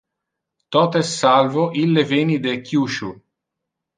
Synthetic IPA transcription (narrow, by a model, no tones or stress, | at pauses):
t̪ɔt̪ɛsːalvoʔilːevenid̪ekːjuʃu